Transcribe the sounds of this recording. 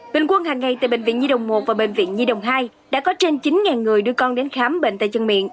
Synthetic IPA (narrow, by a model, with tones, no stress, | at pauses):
ɓḛ˧˨ŋkwə˧nhaː˨˩ŋːa˨˩jt̪ɨː˨˩ɓḛ˧˨ŋv̰nɲi˧ɗə̰˨˩wŋ͡mmo˨˩t̚vaː˨˩ɓḛ˧˨ŋ̟vḭ˧˨ənzi˧ɗə̰˨˩wŋ͡mɦaː˧j | ɗa̰ː˧˥kɔ˨˦t͡ɕe˧nt͡ɕi˨˦nŋaː˨˩nŋɨ˨˩əjɗɨ˧əkɔ˧nɗe˨˦nxaː˨˦mɓḛ˧˨n̟t̪a̰˧˨t͡ɕə˨˩ŋmḭ˧˨ən